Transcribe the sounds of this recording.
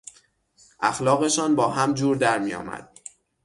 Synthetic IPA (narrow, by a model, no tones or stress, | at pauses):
ʔæxlɒːɣe̞ʃɒːnbɒːɦæmd͡ʒuːɾd̪æɾmijɒ̰ːmæ̰d̪̥̚